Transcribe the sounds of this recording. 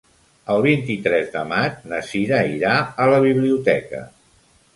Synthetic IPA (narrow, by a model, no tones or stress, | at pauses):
əlˠβ̞int̪it̪ɾɛzd̪əmat͡ʃnəsiɾaiɾaələβiβliut̪ɛkə̰